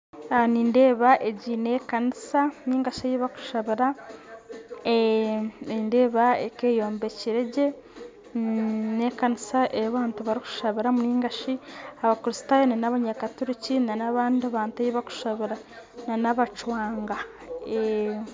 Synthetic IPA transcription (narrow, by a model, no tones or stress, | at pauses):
aniːnde̞ːβaʔeɟine̞ːkanisaniːŋɡaʃajiβaku̥ʃaβiɾa | e | inde̞ːβaeke̞jo̞ːmbeciɾe̞ɟe̞ | nekanisaʔejaβaːntuβaɾiku̥ʃaβiɾamuniːŋɡaʃiaβakuɾistaːjonanaβaɲakatuɾicinanaβaːndiaβaːntuajiβaku̥ʃaβiɾa | nanaβat͡ʃwaːŋɡa | e